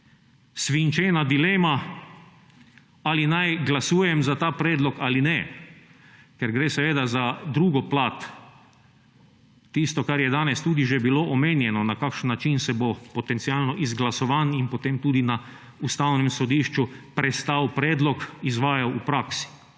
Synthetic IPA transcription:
sʋint͡ʃeːnad̪ileːma | alinajɡlasuːjɛmzat̪aːpɾɛːd̪lɔkalinɛ | kɛɾɡɾeːsɛʋeːd̪azad̪ɾuːɡɔplaːt̪ | ist̪ɔkaɾjɛd̪aːnɛst̪uːd̪iʒɛbiloʔɔmeːnjɛnɔnakakʃnːat͡ʃinsɛbopɔt̪ɛnt̪sialnɔʔizɡlasɔʋaninpɔt̪eːmt̪uːd̪ina | ust̪awnɛmsɔd̪iːʃt͡ʃupɾɛst̪awpɾɛːd̪lɔkizʋaːjawupɾaːksi̥

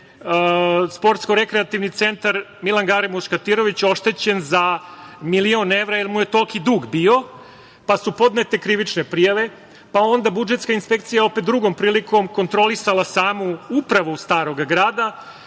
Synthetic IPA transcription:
spo̞ɾt̪sko̞ɾe̞kɾeat̪iʋnit̪se̞nt̪aɾmilˠanɡaɾimuʃkat̪iɾo̞ʋit͡ɕo̞ʃt̪e̞t͡ɕe̞nzamilio̞ne̞ʋɾaelmuje̞t̪o̞lkid̪uːɡbio̞ | pasupo̞d̪ne̞t̪e̞kɾiʋit͡ʃne̞pɾijaʋe̞ | pao̞nd̪abud͡ʒe̞t̪skainspek̚t̪sijao̞pe̞t̪d̪ɾuɡo̞mpɾiːlikʰo̞mko̞nt̪ɾo̞lisalˠasaːmuupɾaʋoust̪aːɾo̞ɡaɡɾaːd̪a

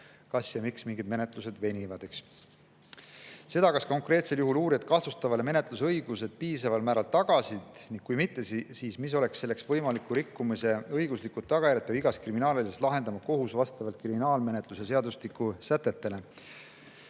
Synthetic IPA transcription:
kɑsjɑmiksmiŋɡid̪mene̞t̪ˑluse̞d̪̥ve̞nʲivɑd̪̥eks | se̞d̪̥ɑkɑsko̞ŋkˑre̞ːt̪se̞ljuɦuluːɾiɑt̪̚kɑht̪ust̪ɑvɑleme̞ne̞t̪lus̬eɤ̞jɡ̥use̞d̪̥̚piːsɑvɑlmæːɾɑlt̪ɑɡ̥ɑsid̪̥niŋɡ̥̚kujmit̪ːe̞siːsmis̬o̞le̞ksːe̞lːe̞ksvɤjmɑlikːˑuɾikːumise̞ɤjɡ̥uslikːu̥ːɑɡ̥ɑjæɾjɑt̪̚ːˑjɑbiɡ̥ɑskriminɑːlilist̪lɑɦe̞nd̪ɑmɑko̞ɦusvɑst̪ɑvɑlt̪̚kriminɑːlme̞ne̞t̪ˑlusese̞ɑd̪ust̪ikːusæt̪ːˑe̞t̪ːe̞le̞

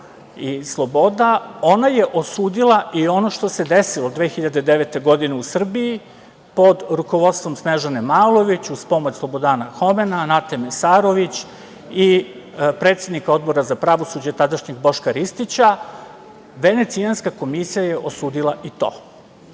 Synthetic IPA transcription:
islˠobo̞d̪ao̞naje̞ʔo̞suːd̪ilˠaʔio̞no̞ʃt̪o̞se̞d̪e̞silˠod̪ʋeːxiʎad̪ed̪eʋet̪e̞ɡo̞d̪ine̞usr̩bii | po̞d̪ɾuko̞ʋo̞t̪st̪ʋo̞msneʒanemalˠo̞ʋit͡ɕuspo̞mot͡ɕslobo̞d̪aːnaxo̞menanat̪emesaːɾo̞ʋit͡ɕ | i | pɾe̞t̪sjed̪nikao̞d̪̚bo̞ɾazapɾaʋo̞sud͡ʑat̪ad̪aʃɲeɡbo̞ʃkaɾist̪it͡ɕa | ʋe̞ne̞t̪sijanskako̞misijaje̞ʔosuːd̪ilˠaʔit̪o̰ː

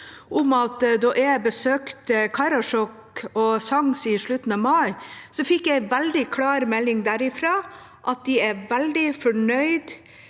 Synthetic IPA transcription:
ʔʊmɑt̪d̪ɔʔæɪbəsøːkt̪əkʰɑɾɑʂɔk | ɔsɑŋsɪʂɭʉt̪ːn̩ɑmɑɪsɔfɪkːjæɪʋɛld̪ɪkʰlɑːɾmɛlːɪŋd̪æɾɪfɾɑː | ʔɑt̪̚d̪ɪæʋɛld̪ɪfɔɳœʏd̪

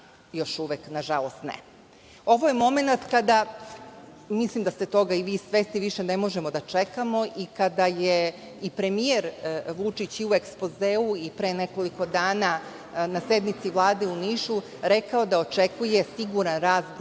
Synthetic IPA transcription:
jo̞ʃuʋeknaʒalˠo̞st̪nḛ | oʋo̞jemo̞me̞nat̪kad̪a | mislˠimd̪ast̪e̞t̪o̞ɡaiʋiːsʋest̪iʋiʃene̞mo̞ʒe̞mo̞d̪at͡ʂekamo̞ʔikad̪aje | ipɾe̞mieɾʋut͡ʂit͡ɕiue̞kspo̞zeːuipɾeːne̞ko̞liko̞d̪aːna | nase̞d̪nit̪siʋlˠaːd̪e̞uniːʃu | ɾe̞kao̞d̪ao̞t͡ʃe̞kuje̞siɡuɾanɾaːzɡ

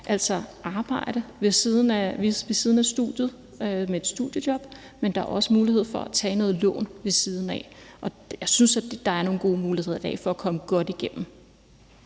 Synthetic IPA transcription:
ʔæl̰sɒʔɑ̈ːb̥ɑ̈ɪ̰ɾ̥əʋe̝siðˠn̩æʋiʋe̝siːð̞ˠn̩æ̥sd̥ṵðˠjð̞̩ˠ | ømee̝d̥sd̥ṵð̰ˠjədjɒ̽b̥ | mend̥ɑ̈æɐʔɒ̽səmuːlihe̝ð̞̰ˠfɒ̽æt͡sʰɛ̰ːnɔ̽ːðˠlɔ̰̽ːnʋe̝siːð̞ˠn̩ɛ̰ʔɒ̽ | jɑ̈ɪsynsæ̥d̥ɑ̈æɐno̝ːnɡ̥o̝ːmuːlihe̝ðˠɐd̥ɛ̰ːfɒ̽ækʰɒ̽məɡ̥ɒ̽d̥iɡ̥en̰m̩

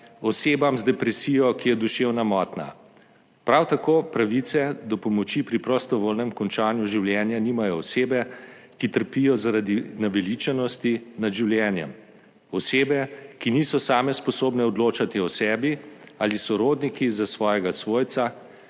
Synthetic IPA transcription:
ɔseːbamzd̪ɛpɾɛsijɔkijɛd̪uʃewnamɔːt̪na̰ | pɾawt̪akoːpɾaʋit̪sɛd̪ɔpɔmɔt͡ʃipɾipɾɔst̪ɔʋoːlnɛmkɔnt͡ʃaːnjuʒiwljɛnjanimajɔːseːbɛkit̪əɾpijɔzaɾad̪inaʋɛlit͡ʃɛnɔst̪inad̪ʒiwljɛːnjɛ̰m | ɔseːbɛkiniːsɔsaːmɛspɔsoːbnɛɔd̪loːt͡ʃat̪iɔsɛːbialisɔɾoːd̪nikizasʋɔːjɛɡasʋoːjt̪sa

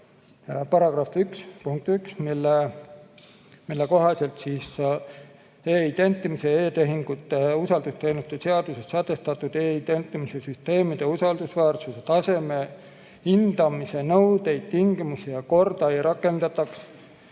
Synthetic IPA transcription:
pɑɾɑɡ̥rɑfykspuŋk̚t̪yksmilːe | milːeko̞ɦɑse̞lt̪siːs | eːid̪̥e̞nt̪ːˑimise̞eːt̪e̞ɦiŋɡ̥ut̪ːˑe̞usɑld̪ust̪e̞jnut̪ːˑeseɑd̪̥usest̪sɑt̪ːˑe̞st̪ɑt̪ːˑud̪eːid̪e̞nt̪ːˑimise̞syst̪e̞ːmid̪̥e̞usɑld̪̥usvæːrsuset̪ɑse̞me̞ | hind̪̥ɑmise̞nɤwd̪e̞jd̪̥̚t̪iŋɡ̥imusijɑko̞rd̪̥ɑejɾʔɑkːˑe̞nd̪̥ɑt̪ːɑks

